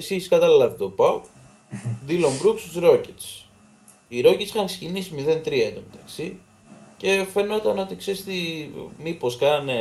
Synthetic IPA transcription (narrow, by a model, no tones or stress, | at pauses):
esiskɐt̪ɐlilɐpit̪opɐp | d̪ilombɾuksuzɾo̞cet̪s | iɾo̞cet̪sixɐnkse̥cinisimiðe̞nt̪ɾiɐed̪omet̪ɐksi | ce̞fe̞no̞t̪ɐno̞t̪ikseɾist̪imiposkɐnne